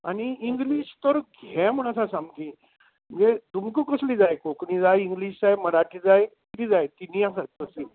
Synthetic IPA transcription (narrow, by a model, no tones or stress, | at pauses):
añiiŋɡliːɕt̪əɾɡʱɛm̤əɳ̃asasamkĩ | d͡ʑed̪umkukəslid͡zajkoknid͡zajiŋɡliːɕd͡zajməɾaʈʰiːd͡zajt̪iɾid͡zajt̪inijãsat̪̚kəsi